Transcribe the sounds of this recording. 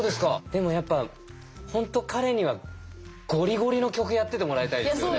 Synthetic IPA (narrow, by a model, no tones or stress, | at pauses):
oːd̪e̞sɨ̥kad̪̥e̞mo̞japːa | hõ̞nt̪okʰaɾe̞ɲ̟iβaɡ̥o̞ɾʲiɡo̞ɾʲino̞kʲo̞k̬ɯ̟jat̪ːe̞t̪e̞mo̞ɾaet̪aideɨj̪